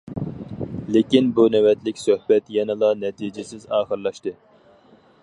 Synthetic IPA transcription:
lekʲinbunɛwɛt̪lɪkʲsøhbɛt̪jɛnɪlˠɑnɛt̪ʰid͡ʒɪsɪzɑːχəɾlˠɑʃt̪ɨ

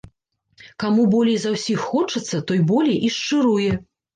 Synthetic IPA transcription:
kamubɔlʲijzawsʲixːɔt͡ʂɐt̪sːɐt̪ɔjbɔlʲijʔiʂt͡ʂɨɾujɛ

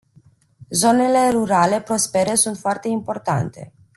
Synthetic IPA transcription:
zo̞ne̞le̞ruɾale̞pɾo̞spe̞ɾe̞sunt̪foart̪e̞impo̞rt̪a̰nt̪e̞̰

